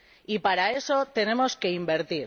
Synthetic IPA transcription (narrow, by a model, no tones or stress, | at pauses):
ipaɾae̞so̞t̪e̞ne̞mo̞ske̞imbe̞ɾt̪iɾ